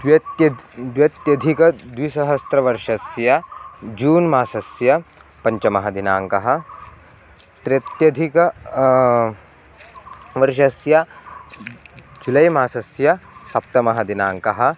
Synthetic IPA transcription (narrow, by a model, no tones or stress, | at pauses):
d̪jɐjɐd̪jɐt̪jɐd̪ʱikɐd̪ʋisɐɦɐst̪ɾɐʋɐɾʃɐsjɐd͡ʒuːnmaːsɐsjɐ | pɐɲt͡ʃɐmɐɦɐd̪inaːŋkɐɦɐ̆ | t̪ɾet̪jɐd̪ʱikɐ | ʋɐɾʃɐsjɐ | d͡ʒulɐjmaːsɐsjɐsɐp̚t̪ɐmɐɦɐd̪inaːŋkɐɦɐ̆